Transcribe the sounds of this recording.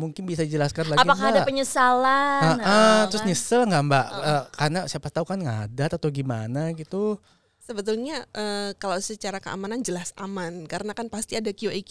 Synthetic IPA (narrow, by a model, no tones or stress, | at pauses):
muŋkɪnbisadid͡ʒəlaskanlaɡaɡipaaadapəɲəsalaəət̪ɾʊsɲəsəŋɡambaʔəkarənasiapat̪aukanŋadat̪at̪awɡimanaɡit̪u | səbət̪ulɲaʔəːkalawsət͡ʃaɾakəa̰manand͡ʒəlasa̰mankaɾənakanpast̪iadakioʔak